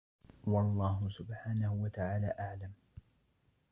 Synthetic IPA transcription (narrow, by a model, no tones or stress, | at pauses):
wɑlˤːɑːɦʊsʊbħaːnahʊwat̪aʕaːla̰ːʔaʕlam